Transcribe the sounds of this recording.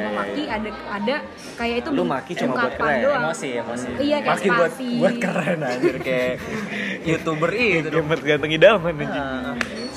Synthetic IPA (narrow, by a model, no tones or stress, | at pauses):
amakiada | ada | kajait̪ulumakit͡ʃumaabat̪̚kəɾɛdoamasijamasiijakamakibuat̪ibuat̪kərɛnadiɾikaja | jut̪ubəriməɡant̪əŋidamaməɲd͡ʒi